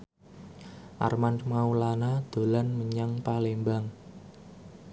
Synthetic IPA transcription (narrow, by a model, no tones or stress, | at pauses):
ʔa̰rmanmaulanad̪̥o̤lanməɲaŋpalembaŋ